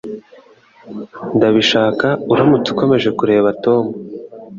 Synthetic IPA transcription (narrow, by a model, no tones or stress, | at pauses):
ndaβiʃaːkauɾamut͡si̥ko̞me̞ʒe̞kuɾe̞ːβato̞ːmu